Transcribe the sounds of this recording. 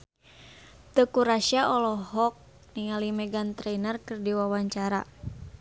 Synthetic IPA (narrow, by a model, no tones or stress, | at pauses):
t̪əkuɾaʃiaʔɔlɔɦɔk̚ | niŋalimɛɡant̪ɾɛjnərkɨrdiwawaɲt͡ʃaɾa